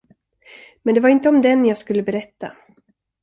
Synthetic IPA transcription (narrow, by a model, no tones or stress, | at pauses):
mɛnd̪ɛvaɾɪnt̪əɔmd̪ɛnjɑːɡskɵlːəbɛɾɛt̪ːa̰